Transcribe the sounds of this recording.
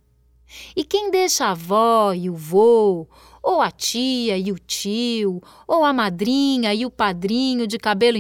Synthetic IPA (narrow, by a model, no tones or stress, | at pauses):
ɪkẽj̃d̪eʃɐːvɔɪʊvo | owɐt͡ʃiɐɪʊt͡ʃiw | owɐmad̪ɾĩɲɐɪʊpad̪ɾĩɲʊd͡ʒɪkabelʊ̃